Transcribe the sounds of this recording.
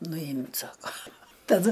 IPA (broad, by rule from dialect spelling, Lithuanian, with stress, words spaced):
nʊˈjɪmʲtʲ ˈsɑːkoː tɐˈdʊ